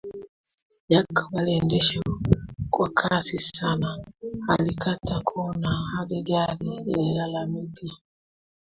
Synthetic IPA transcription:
jakːabalendeʃewokwakʰasisanahalikatʰːakʰonahadeɡalielalamiɡa

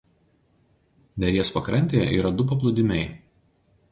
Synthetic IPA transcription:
d̪ʲɛɾʲiɛspɐkɾɐnʲt̪ʲeːjɛ̰ʔḭːɾɐd̪ʊp̬ɐp̬lˠʊd̪ʲɪmʲɛɪ

